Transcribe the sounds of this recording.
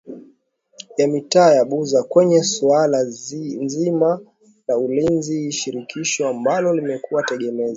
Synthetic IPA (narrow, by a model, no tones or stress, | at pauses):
jamitaːjaɓuzakwɛɲɛsualanzima | laulinziʃiɾikiʃɔambalɔlimɛkuwatɛɠɛmɛza